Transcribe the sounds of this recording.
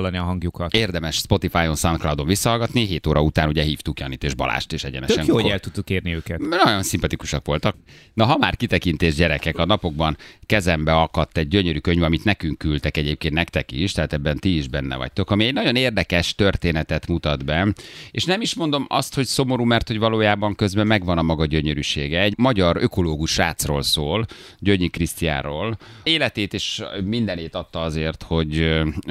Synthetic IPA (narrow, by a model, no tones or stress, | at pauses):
lːɒniɒɦɒŋɡjukɒt̪eːrd̪ɛmɛʃspo̞t̪ifaːjonsɒnklawd̪o̞ɱvisːɒɦɒlɡɒt̪niɦeːt̪oːɾɒut̪aːnuɟɛɦiːft̪ukjɒniːt̪eːʒbɒ̰la̰ːʃt̪eːʃɛɟɛ̰nɛ̰t̪øʃɛŋjoːoɛlt̪ut̪ːukːeːrniøːkɛt̪nɒɟo̞nsimpɒt̪iku̥ʃɒkʋo̞lt̪ɒk̚ | nɒɦɒmaːrkit̪ɛkint̪eːʒɟɛɾɛkɛkɒnɒpo̞ɡ̚bɒnkɛzɛmbɛɒkɒt̪ːɛɟ̚ɟøɲøɾykøɲvɒmit̪nɛkyŋkːylt̪ɛkɛɟeːp̚keːnt̪nɛkt̪ɛkiʃt̪ɛɦaːt̪ɛbːɛnt̪iiʒbɛnːɛ̰vɒ̰c̚t̪o̞kɒmiɛɟnɒɟo̞neːrd̪ɛkɛʃt̪ø̞rt̪eːnɛt̪ɛt̪mut̪ɒd̪bɛeːʃnɛmiʃmond̪o̞mɒ̰st̪ho̞cso̞mo̞ɾuːmɛrt̪ho̞ɟvɒloːjaːbɒŋkø̞zbɛmːɛɡʋɒnɒmɒɡɒɟø̞ɲøɾyʃeːɡɛːɟmɒɟɒrøko̞loːɡuʃaːt̪sroːlsoːl | ɟøɲːikrist̪ija̰ːɾoːleːlɛt̪eːt̪eːʃmind̪ɛneːt̪ɒt̪ːɒɒzeːrt̪ho̞ɟ